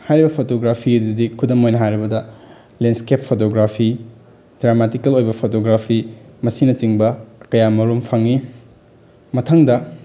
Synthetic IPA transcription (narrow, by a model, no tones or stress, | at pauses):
hajɾibɐpʰotoɡɾapʰiduɐdikʰudɐmojnɐɦajɾɐbɐdɐ | lenskepʰːotoɡɾapʰi | dɾamatikɐlojbɐpʰotoɡɾapʰimɐsinɐt͡ʃiŋbɐkɐjamɐɾumpʰaŋi | mɐtʰɐŋdɐ